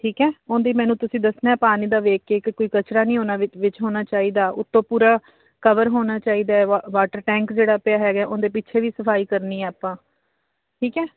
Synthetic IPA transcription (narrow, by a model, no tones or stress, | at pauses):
ʈʰiːkɛːõːnd̪iːmɛ̃ːnũːt̪ʊsĩːd̪əsnɛːpaːniːd̪aːʋeːkeːkɪkoːiːkət͡ʃɾaːnĩːɦoːnaːʋɪt͡ʃɦoːnaːt͡ʃaːiːd̪aːʊt̪ːõːpuːɾaː | kəʋəɾɦoːnaːt͡ʃaːiːd̪aːɛʋaːʈəɾʈɛ̃ːŋkd͡ʒeːɽaːpɪaːɦɛːɡɛːʔõːnd̪eːp̬ɪtːʃʰeːʋiːsəpʰaːiːkəɾniːɛːaːpãː | ʈʰiːkɛː